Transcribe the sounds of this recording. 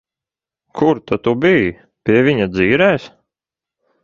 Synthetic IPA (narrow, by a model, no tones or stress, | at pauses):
kʰuɾt̪at̪ubij | pʲiɛviɲad̪ziːɾɛːs